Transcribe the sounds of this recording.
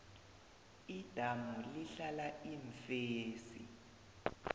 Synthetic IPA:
id̥ʱamuliɬalaiɱfeːsḭ

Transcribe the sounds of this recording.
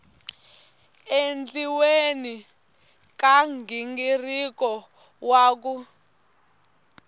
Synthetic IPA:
end͡ɮiweni | kaŋɡiŋɡirikɔ | waːk̬u

